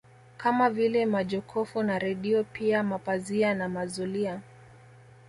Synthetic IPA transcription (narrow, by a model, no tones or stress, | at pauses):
kamavilɛmaʄɔkʰɔfunaɾɛɗiɔpiamapazianamazulia